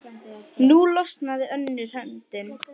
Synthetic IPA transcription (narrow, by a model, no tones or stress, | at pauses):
nulɔst̪naðɪœnːɪɾ̥ɛmt̪ɪn